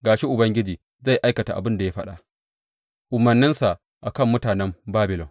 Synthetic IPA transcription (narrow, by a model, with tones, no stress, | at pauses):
ɡaː˨ʃi˦ʔʊ˨bɐ˦ŋɡʲɪ˦d͡ʒiː˨ | za˦˨jʔa˦jkɐ˨ta̰˨ʔa̰˨bɪ˦nda˨ja˦ɸɐ˦ɗa˨ʔ | ʔʊ˨mɐ˨rnɪ˦nsa˨ʔ | ʔa˨kɐ˦˨mːʊ˦taː˨nɛ˦mbaː˦bɪ˨lɔ˨n